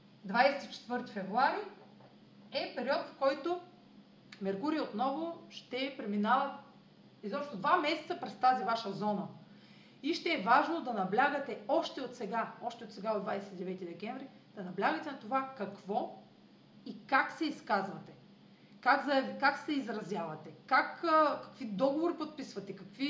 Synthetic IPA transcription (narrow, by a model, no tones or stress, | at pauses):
d̪vajsɛ̥t̪it͡ʃɛ̥t̪vɤɾt̪i̥fɛvɾuaɾi | ɛpɛɾiɔt̪fkɔjt̪o | mɛɾkuɾiot̪nɔvoʃt̪ɛpɾɛminavɐ | izɔpʃt̪od̪vamɛsɛt̪səpɾɛst̪azivaʃəzɔnə | iʃt̪ɛːvaʒnod̪ɐnɐblʲaɡət̪ɛɔʃt̪ɛot̪sɛɡaɔʃt̪ɛot̪sɛɡaod̪vajsɛt̪id̪ɛvɛt̪id̪ɛkʲɛɱvɾid̪̥ɐnɐblʲaɡət̪ɛnɐt̪ovakɐkv̥ɔ | ikaksɛiskazvɐt̪ɛ | kaɡzɐjɐvikaksɛizɾɐzjavɐt̪ɛkakkɐ̥kvid̪ɔɡovoɾipot̪̚pisvɐt̪ɛkɐkvi